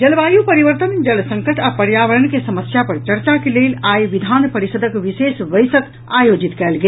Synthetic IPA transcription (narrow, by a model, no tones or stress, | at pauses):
d͡ʒəlbajupəɾiʋəɾt̪ənd͡ʒəlsə̃ŋkəʈapəɾjaʋəɾənkesəməsjapəɾt͡ʃəɾt͡ʃakelelajʋid̪ʱanpəɾisəd̪ʱəkʋisesʋəjsət̪ | ajod͡ʒit̪kɛlɡel